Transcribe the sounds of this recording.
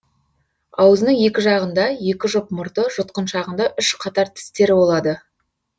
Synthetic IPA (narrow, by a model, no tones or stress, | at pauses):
ɑwəzənəɴje̞kʲɪʒɑʁənd̪ɑje̞kʲɪʒʊpmʊɾt̪əʒʊt̪̚qənʃɑʁənd̪ɑʔʏʃqʰɑt̪ɑɾt̪ʰɪ̥st̪e̞ɾɪbo̞lˠɑd̪ə